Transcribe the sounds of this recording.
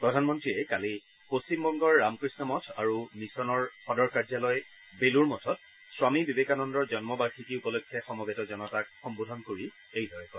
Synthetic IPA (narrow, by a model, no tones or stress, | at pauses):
pɹɔdʱanmɔntɹiɛkali | post͡ɕimbɔŋɡɔɹːamkɹisnɔmɔtʰaɹunisɔnɔɹxɔdɔɹkaɹzalɔj | beluɹmɔtʰɔt̚ | swamibibekanɔndɔɹzɔnmɔbaɹkʰikiupɔlokʰːjɛxɔmɔɡetɔzɔnɔtak̚xɔmbudʱɔnkoɹi | ejdʱɔɹɛkɔ